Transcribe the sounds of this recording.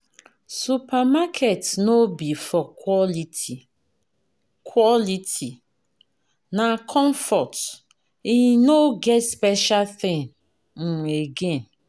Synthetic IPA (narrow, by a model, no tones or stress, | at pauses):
supamakʰetnobifɔliti | kʰwɔliti | nakʰɔ̃ɱfɔt | inoɡɛtspɛʃalθɪ̃ŋ | n̩eɡẽn